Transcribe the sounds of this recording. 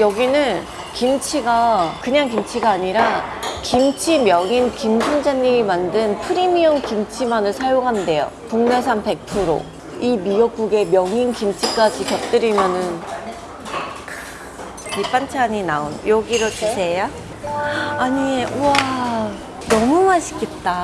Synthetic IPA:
jʌɡinɯn | kimt͡ɕʰiɡakɯɲaŋkimt͡ɕʰiɡaːɲiɾakimt͡ɕʰimjʌŋinkimsʰand͡ʑaɲːiimandɯnpʰɯɾimiʌŋkimt͡ɕʰimanɯɭsʰajoŋɦande̞jo̰poŋnesʰampe̞k̚pʰɯɾo̰ | imijop͈uɡe̞mjʌŋinkimt͡ɕʰik͈ad͡ʑikjʌp̚t͈ɯɾimjʌnɯn | kɯ | pip͈ant͡ɕʰaɲinaonjoɡiɾot͡ɕʰisʰeja | ɲiua | nʌmumaɕʰi̥k͈et̚t͈a

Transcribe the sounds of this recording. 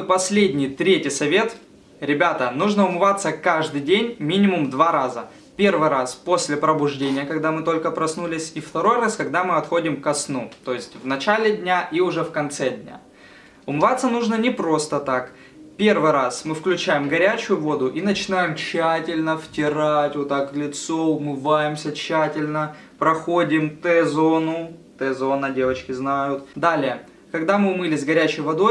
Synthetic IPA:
pɐsʲlʲedʲnʲɪjt̪ɾʲetʲɪjsɐvʲe̞t̪ | ɾʲɪbʲat̪ənuʐnəʊmɨvat̪səkaʐd̪ɨjdʲenʲmʲinʲɪmʊmd̪vaɾazə | pʲe̞rvɨjɾaspo̞sʲlʲɪpɾəbʊʐdʲenʲɪjəkɐɡd̪amɨt̪o̞lʲkəpɾɐsnulʲɪsʲift̪ɐɾo̞jraskɐɡd̪amɨɐt̪xo̞dʲɪmkɐsnut̪o̞jɪsʲtʲvnɐt͡ɕælʲɪdʲnʲaʔiʊʐɛfkɐnt̪sɛdʲnʲa̰ | ʊmɨvat̪sənuʐnənʲɪpɾo̞st̪ət̪ak | pʲe̞rvɨjɾasmɨfklʲʉt͡ɕæjɪmɡɐɾʲæt͡ɕʊjʊvo̞d̪ʊʔinət͡ɕɪnajɪmt͡ɕːætʲɪlʲnəftʲɪɾatʲot̪aklʲɪt̪soʊmɨvajɪmsʲət͡ɕːætʲɪlʲnə | pɾɐxo̞dʲɪmt̪ɛzonʊt̪ɛzonədʲe̞vət͡ɕkʲɪznajʊt̪d̪alʲɪjə | kɐɡd̪amɨʊmɨlʲɪsʲɡɐɾʲæt͡ɕɪjvɐd̪o̞j

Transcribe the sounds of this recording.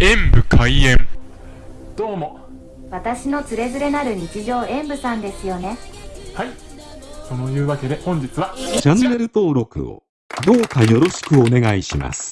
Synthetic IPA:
ẽ̞mbɯ̟kʰaiẽ̞m | d̪̥o̞ːmo̞ | βat̪aɕino̞t͡sɨɾe̞zɨɾe̞naɾɯ̟ɲ̟it͡ɕiʑo̞ːʔẽ̞mbɯ̟sãnd̪e̞sɨjo̞ne̞hai | ko̞nojɯ̟ːβake̞d̪e̞hõ̞ɲ̟d͡ʑit͡sɨβat͡ɕãnːe̞ɾɯ̟t̪o̞ːɾo̞kɯ̟̰o̰ | d̪o̞ːkajo̞ɾo̞ɕi̥kɯ̟o̞ne̞ɡaiɕima̰sɨ̥

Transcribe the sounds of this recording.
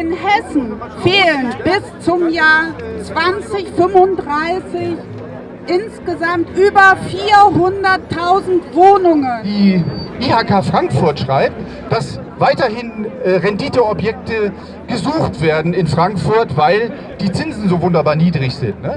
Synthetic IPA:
ɪnhɛsn̩feːlənbɪst͡sʊmjaːɐt͡sv̥ant͡sɪçfʏmvʊndʁaɪsɪç | ʔɪnsɡ̥əzamtʔyːbɐfiːɐɦʊndɐtʰːaʊzn̩tv̥oːnʊŋənd̥iːʔiːhaːkʰaːfʁ̥aŋkfʊɐtʃʁ̥aɪp̚t | d̥as | v̥aɪtɐhɪnʔʁɛndiːtəɔpjɛk̚tə | ɡ̥əzuːxtv̥eːɐdn̩ɪnfʁ̥aŋkfʊɐtv̥aɪl | d̥iːt͡sɪnzn̩zoːvʊndɐbaːɐniːdʁɪçz̥ɪntnə

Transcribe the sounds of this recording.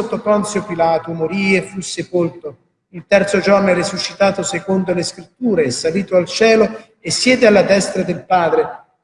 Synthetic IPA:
ot̪ːopɔnt̪sjopilaːt̪omoɾiːefːusːepolt̪o | ilt̪ɛrt̪sod͡ʒɔrnoɛrisuʃːit̪aːt̪osekond̪oleskɾit̪ːuːɾeɛsːaliːt̪oalt͡ʃɛːlo | esːjɛːd̪ealːad̪ɛst̪ɾad̪elpaːd̪ɾe

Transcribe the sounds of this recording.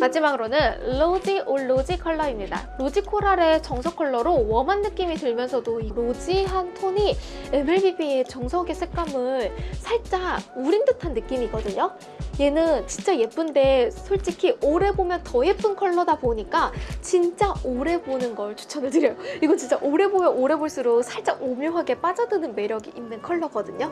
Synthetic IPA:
mad͡ʑimaɡɯɾonɯnod͡ʑiʔoɭːod͡ʑikʰʌɭːʌimɲida̰ɾod͡ʑikʰoɾaɾe̞t͡ɕʌŋsʰʌkʰːʌɭːʌɾowʌmɦanːɯk͈imitɯɭmjʌnsʰʌdoiɾod͡ʑiɦantʰoɲi | e̞meɭbibiet͡ɕʌŋsʰʌɡe̞s͈ʰek͈amɯɭsʰaɭt͡ɕ͈auɾindotʰanːɯk͈imiɡʌdɯɲo | je̞nɯnt͡ɕint͡ɕ͈aje̞p͈ɯnde̞sʰoɭt͡ɕ͈ikʰiʔoɾe̞bomjʌntʌɦe̞p͈ɯnkʰʌɭːʌdaboɲik͈at͡ɕint͡ɕ͈aoɾe̞bonɯnɡʌɭt͡ɕʰu̥t͡ɕʰʌnɯɭtɯɾjʌjoiɡʌt͡ɕint͡ɕ͈aʔoɾe̞bomjʌnoɾe̞boɭs͈uɾosʰaɭt͡ɕ͈aʔomjoɦaɡe̞p͈ad͡ʑadɯnɯnme̞ɾjʌɡiʔinːɯnkʰʌɭːʌɡ͈ʌdɯɲo

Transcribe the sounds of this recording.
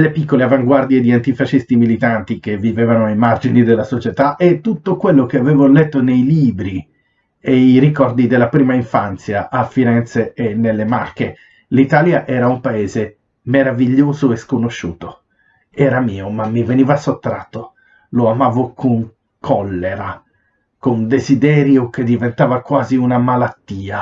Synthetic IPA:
lːepikːoleavaŋɡward̪jed̪iant̪ifaʃist̪imilit̪ant̪ik̟evːivevanoajmard͡ʒinid̪elːasot͡ʃet̪aʔet̪ːut̪ːokwelːok̟eaveːvolɛt̪ːonejliːbɾi | ejirikɔrd̪id̪elːapɾiːmaiɱfant̪sjaʔafːiɾɛnt̪seːnelːemark̟e | lit̪aːljaʔɛːɾaumpaeːze | meɾaviʎːoːzoeskonoʃːṵːt̪o | ɛːɾamiːomamːiveniːvasot̪ːɾat̪ːo | loamaːvokʰoŋ | kʰɔlːeɾa | kond̪ezid̪ɛɾjok̟ed̪ivent̪aːvakwaːziunamalat̪ːiːa

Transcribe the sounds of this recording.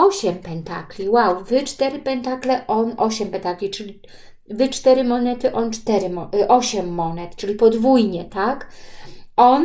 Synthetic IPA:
ɔɕɛmpɛnt̪aklʲiwawvɘt͡ʂt̪ɛɾɘpɛnt̪aklɛʔɔnʔɔɕɛmpɛnt̪aklʲit͡ʂɘlʲi | vɘt͡ʂt̪ɛɾɘmɔnɛt̪ɘʔɔnt͡ʂt̪ɛɾɘmɔʔɔɕɛmːɔnɛt̪t͡ʂɘlʲipɔd̪vujɲɛt̪ak | ɔn

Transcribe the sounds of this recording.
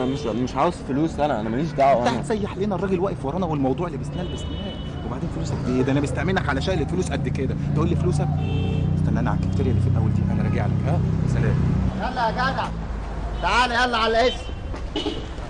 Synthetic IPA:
meʃmeʃʕaːwesfoluːsʔænæʔænæmæniːʃd̪aʕwʔææħnæsæjːeħleːnærˤɑːɡelwæʔefwɑɾˤɑnɑwelmɑwd̪ˤuːʕelːibest̪ænælbæsænæːʔ | webaʕd̪eːnfluːsæk̚d̪eʔed̪ʔænæbest̪aʕmenːækʕalæʃæːʔlefoluːsʔæd̪ːked̪æt̪eʔuːlːiːfluːsæk̚est̪ænːænaʕakːeft̪eɾjæd̪ifet̪ʔæwæld̪iːʔænæɾˤɑɡeʕlækhæwesælæːmʔælːææɡæda | t̪aʕaːnæjælːæʕalæʔes

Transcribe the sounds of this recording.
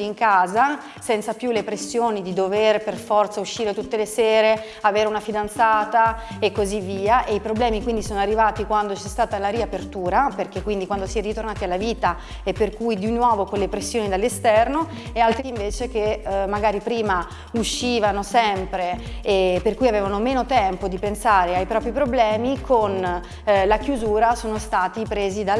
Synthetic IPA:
iiŋkaːza | sɛnt̪sapjulepɾesːjoːnid̪id̪overperfɔrt̪sauʃːiːɾet̪ut̪ːelesɛeːɾe | aveːɾeunafid̪ant̪saːt̪aekːozivːiːaʔeipɾoblɛːmikwind̪isoːnoarːivaːt̪ikwand̪ot͡ʃɛst̪aːt̪alaɾiapert̪uːɾaperk̟ekːwind̪ikwand̪osjɛɾit̪ornaːt̪ialːaviːt̪a | epːerkujd̪inwɔːvokonlepɾesːjoːnid̪alːest̪ɛrno | ealt̪ɾiiɱveːt͡ʃek̟emːaɡaːɾipɾiːma | uʃːiːvanosɛmpɾeeperkujaveːvanomeːnot̪ɛmpod̪ipensaːɾeajpɾɔːpɾipɾoblɛːmikʰon | lakjuzuːɾasoːnost̪aːt̪ipɾeːzid̪a

